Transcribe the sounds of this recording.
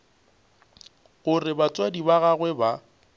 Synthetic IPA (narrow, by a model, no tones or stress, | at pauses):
ɣʊrɪbat͡sʼwadibaɣaɣwɛba